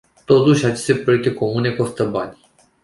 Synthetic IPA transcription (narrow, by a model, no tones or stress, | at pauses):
t̪ot̪uʃʲat͡ʃest̪e̞pɾoek̚t̪e̞ko̞mune̞kost̪əbanʲ